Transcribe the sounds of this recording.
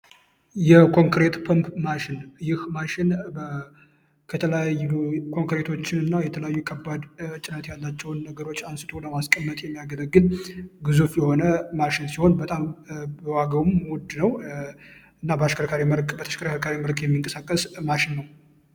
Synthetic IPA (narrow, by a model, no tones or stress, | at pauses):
jɛkʰo̞ŋkɾe̞t̪pʰəmpmaʃɪnjɪhmaʃɪnbə | kʰət̪ʰələjajukʰo̞ŋkɾe̞t̪ʰo̞t͡ʃːɪnɨnːajɛt̪ʰələjajːukʰəbad̪t͡ʃʼɪnət̪jalːat͡ʃːɛwnːəɡəɾo̞t͡ʃːansɨt̪ʰʼo̞ləmaskʼəmːət̪ʼjɛmːijaɡələɡɨnɡɨzufjɛho̞nəmaʃɪnsiho̞nbət̪ʼambəwaɡəwumwɔd̪nəw | ɨnːabəaʃkəɾkʰaɾiməɾkʼbət̪ʰəʃkəɾkʰəkʰaɾiməlkʼjɛmːiŋkʼəsakʼːəsmaʃɪnːəw